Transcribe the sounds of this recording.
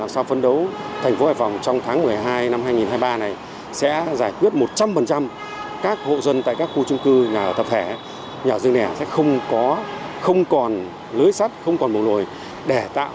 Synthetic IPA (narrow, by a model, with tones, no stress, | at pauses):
aː˨˩msaː˧wfə˧nɗə˨˦wt̪ʰɛ˨˩ŋ̟fo˨˦haː˧˩fa˨˩wŋ͡mt͡ɕɔ˧wŋ͡mt̪ʰaː˨˦ŋmɨ˨˩əjɦaː˧jna˧mhaː˧jŋi˨˩nhɦaː˧jɓaː˧na˨˩j | sɛ̰˧˥zaː˧˩jkwi˦˥ət̚mo˨˩t̚t͡ɕa˧mfə˨˩nt͡ɕa˧m | kaː˦˥k̚ho̰˧˨zə˧nt̪a̰ː˧˨kaː˦˥kxu˧t͡ɕʊ˧ŋ͡mkɨ˧ɲaː˨˩˨t̪ə˨˩p̚t̪ʰe˧˩ | ɲaː˨˩zɨ˧əŋnɛ˧˩sɛ̰˧˥xə˧wŋ͡mkɔ˨˦xə˧wŋ͡mkɔ˨˩n | ləː˨˦jsa˦˥t̚xə˧wŋ͡mkɔ˨˩nm˨˩wlo˨˩j | ɗe˧˩t̪a̰ː˧˨